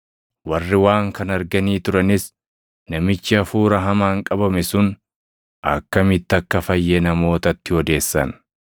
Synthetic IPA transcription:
wɐrːɪwaːŋkɐnɐɾɡɐniːt̪ʊɾɐnɪs | nɐmɪt͡ʃːɪɐfuːɾɐɦɐmaːŋkʼɐbɐmɛsʊn | ʔɐ̰kːɐmɪt̪ːɐkːɐfɐjːenɐmo̞ːt̪ɐt̪ːɪɔd̪e̞ːsːɐ̰n

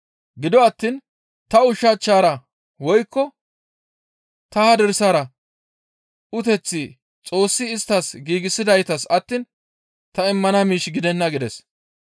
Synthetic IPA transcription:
ɡɪd̪ɔɐt̪ːiːn | t̪ɐʊʃat͡ʃːaːɾɐ | wɔjkːɔ | t̪ɐɐd̪ɛɾsaːɾɐ | ʊt̪ɛt͡sːɪ | t͡sʼo̞ːsːɪːst̪ːɐsɡiːɡɪsɪd̪ɐjt̪ɐsɐt̪ːiːn | t̪ɐɪmːɐnamiːʃɡɪd̪ɛnːɐɡɪd̪ɛs

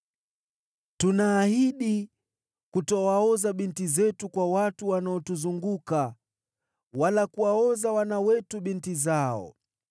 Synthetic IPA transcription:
tunaːhiɗi | kutɔwaɔzaɓintizɛtukwawatuwanaɔtuzuŋɡuka | walakuwaɔzawanawɛtuɓintizaɔ̰

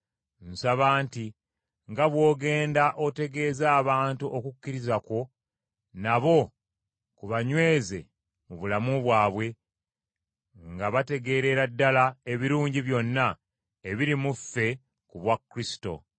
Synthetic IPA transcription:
n̩saβaːnti | ŋɡaβwo̞ːɡe̞ːndaʔo̞te̞ɡe̞ːzaːβaːntuʔokucːiɾizako̞ | naβo̞ | kuβaɲwe̞ːze̞̰ | muβulamuβwaːβwe̞ | ŋɡaβate̞ɡe̞ːɾe̞ɾadːalae̞βiɾuːɲɟiβjo̞nːa | eβiɾimufe̞ | kuβwakːɾisi̥to̞̰

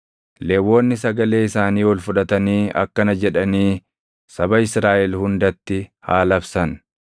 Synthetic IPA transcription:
le̞ːwːo̞ːnːɪsɐɡɐle̞ːɪsaːniːwɔlfʊᶑɐt̪ɐniːʔɐ̰kːɐnɐd͡ʒɛᶑɐniː | sɐbɐɪsɾaːʔɛlhʊnd̪ɐt̪ːɪhaːlɐbsɐn

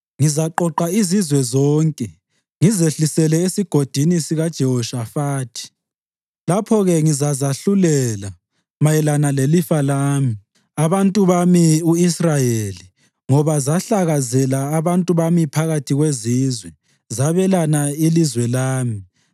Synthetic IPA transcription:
ŋizaǃɔǃaizizwɛzɔːŋkʼɛ | ŋizeɬisɛlɛesiɡ̥ʱod̥ʱinisiɣad̥ʒ̥ʱɛɦɔʃafaːtʰi̥ | lapʰɔɣɛŋizazaɬulɛla | majɛlanalelifalaːmi | aβantʼuβamiuisrajeli | ŋɔβazaɬaɣazɛlaːβantʼuβamipʰaɣatʰiɣwezizwɛ | zaβɛlanailizwɛlaːmi

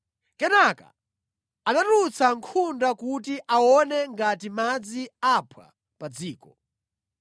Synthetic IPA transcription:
kɛnaka̰ | anatut͡saŋkʰundakutiʔawɔnɛŋɡatimad͡ziapʰwa̰ | pad͡ziːkɔ

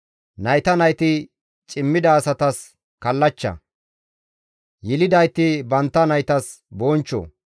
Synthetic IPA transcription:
nɐjt̪ɐnɐjt̪ɪ | t͡ʃʼɪmːɪd̪ɐːsɐt̪ɐs | kɐlːɐt͡ʃːɐ̰ | jɪlɪd̪ɐjt̪ɪbɐnt̪ːɐnɐjt̪ɐs | boːnt͡ʃːo̰

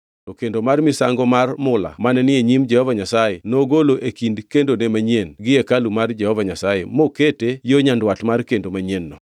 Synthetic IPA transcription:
tɔkendomarmɪsaŋɡɔmarmʊla̰manɛnɪeɲimd͡ʒɛhɔvaɲasajenoɡoloʔekindkendonemaɲenɡɪekalumard͡ʒɛhɔvaɲasajemoketejoɲandwatmarkendomaɲenːɔ̰

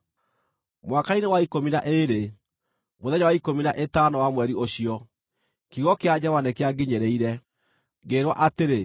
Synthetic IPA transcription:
mwakainewaikominaʔeɾe | moðɛɲawaikominaʔetanɔwamwɛɾioɕiɔ | kiɣɔkead͡ʑɛvanɛkeaɡeɲeɾeiɾɛ | ɡeɾwa̰ʔateɾe

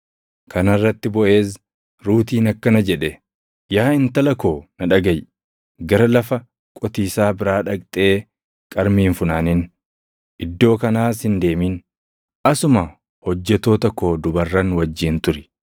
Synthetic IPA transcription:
kɐnɐrːɐt̪ːɪbɔʔe̞ːs | ɾuːt̪iːnɐkːɐnɐd͡ʒɛᶑɛ | jaːɪnt̪ɐlɐko̞ːnɐᶑɐɡɐj | ɡɐɾɐlɐfɐ | kʼɔt̪iːsaːbɪɾaːᶑɐkʼt̪ʼe̞ː | kʼɐɾmiːnfʊnaːnɪn | ʔɪd̪ːo̞ːkɐnaːsɪnd̪e̞ːmin | ʔɐsʊmɐ | hɔd͡ʒːɛt̪o̞ːt̪ɐko̞ːd̪ʊbɐrːɐnwɐd͡ʒːiːnt̪ʊɾɪ̥

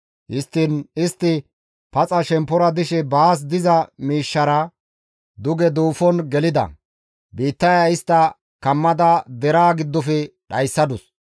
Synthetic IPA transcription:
hɪst̪ːɪnɪst̪ːɪ | pɐt͡sʼɐʃɛmpːɔɾɐd̪ɪʃɛbaːs̬d̪ɪzɐmiːʃːɐɾɐ | d̪ʊɡɛd̪uːfɔnɡɛlɪd̪ɐ̰ | biːt̪ːɐjɐɪst̪ːɐ | kɐmːɐd̪ɐd̪ɛɾaːɡɪd̪ːɔfɛɗɐjsːɐd̪ʊs

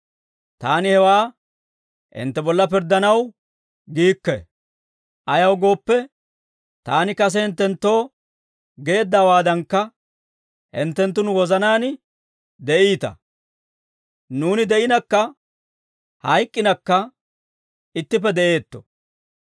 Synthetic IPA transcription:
t̪aːnɪhɛwaː | ʔɪ̰nt̪ːɛbɔlːɐp̬ɪɾd̪ːɐnɐw | ɡiːkːɛ̰ | ʔɐjɐwɡo̞ːpːɛ | t̪aːnɪkɐs̬ɛhɪnt̪ːɛnt̪ːo̞ː | ɡe̞ːd̪ːaːwaːd̪ɐŋkːɐ | hɪ̰nt̪ːɛnt̪ːʊnwɔzɐnaːn | d̪ɛʔiːt̪ɐ̰ | nuːnɪd̪ɛʔɪnɐkːɐ | hɐjkʼːɪnɐkːɐ | ɪt̪ːɪp̬ːɛd̪ɛʔe̞ːt̪ːɔ̥̰

